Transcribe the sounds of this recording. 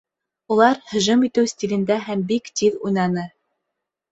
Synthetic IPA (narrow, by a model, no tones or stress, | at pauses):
ulˠɑɾhɵ̆ʒɵmit̪ɘwsʲtʲilʲɘ̆nd̪æɦæmbikt̪iðujnɑnɤ